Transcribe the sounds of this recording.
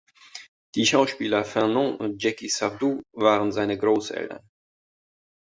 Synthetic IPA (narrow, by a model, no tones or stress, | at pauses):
d̥iːʃaʊʃpiːlɐfɛʁnɔ̃ʔʊ̰nt̚d͡ʒɛkisavduːvaːʁənzaɪnəɡʁoːsʔɛ̰ltɐ̰n